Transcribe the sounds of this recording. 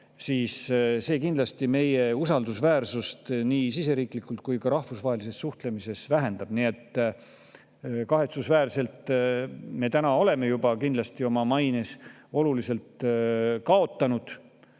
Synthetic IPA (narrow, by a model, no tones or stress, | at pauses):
siːsse̞ːkind̪lɑst̪ime̞je̞usɑld̪usvæːrsust̪niːsis̬e̞ɾiːklikːˑult̪̚kujkɑɾɑhfusvɑɦelise̞sːuht̪le̞mise̞svæɦe̞nd̪ɑb̥nie̞t̪ː | kɑɦe̞t̪susvæːrse̞lt̪ˑ | me̞ːt̪ænɑo̞le̞me̞jubɑkind̪lɑst̪io̞mɑmɑjneso̞lulise̞lt̪kɑo̞t̪ːˑɑnud̪̥